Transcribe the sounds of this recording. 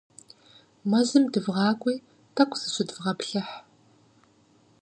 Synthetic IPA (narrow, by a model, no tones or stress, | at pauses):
mɐʑɨmdɨvʁɑːkʷʼiː | tʰɐkʷʰʼz̥ɨɕɪdvʁɐpɬɐħ